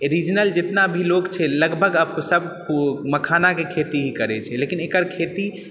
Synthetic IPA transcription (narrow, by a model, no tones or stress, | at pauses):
ɾid͡ʒnəld͡ʒet̪nabʱilokt͡ʃʰɛləɡbʱəɡəbkosəbʱpuməkʰanakekʰet̪iɦikəɾɛt͡ʃʰɛlekinekəɾkʰet̪i